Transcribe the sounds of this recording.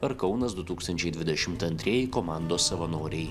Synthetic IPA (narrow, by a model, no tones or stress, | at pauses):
ɐɾkɐʊnɐsd̪ʊt̪uːkst̪ɐnʲt͡ʃʲɛɪd̪ʲʋʲɪd̪ʲɛʃʲɪmt̪ɐnʲt̪ʲɾʲiːjɛkoːmɑˑnd̪oːssɐʋɐnoːɾʲɛɪ